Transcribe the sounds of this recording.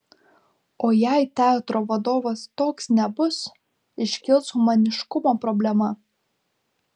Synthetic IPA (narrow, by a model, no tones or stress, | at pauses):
oːjæɪt̪ʲæt̪ɾoːʋɐd̪oːʋɐst̪oːksnʲɛbʊs | ɪʃʲkʲɪlˠshʊmɐnʲɪʃkʊmoːpɾɔbʲlʲɛmɐ